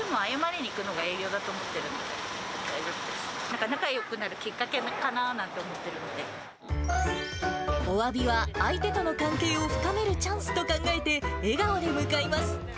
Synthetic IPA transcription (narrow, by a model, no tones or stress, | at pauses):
ɯmõajamaneɲ̟ʲiːkɯ̟no̞ɡae̞ːɡʲjo̞ːd̪at̪o̞ːmo̞t̪ːe̞ɾɯ̟̃nod̪ḛd̪aizoɨd̪enãŋkanakajo̞kɯ̟naɾɯ̟kʲikːake̞nkanaːnãnt̪e̞omo̞t̪ːe̞ɾɯ̟no̞d̪ẽ̞ | oβabʲiβaːit̪e̞t̪o̞no̞kãŋke̞ːo̞ɸɯ̟̥kame̞ɾɯ̟t͡ɕãɰ̃sɨ̥t̪o̞kãŋɡae̞t̪e̞eɡaod̪e̞mɯ̟kaimasɨ̥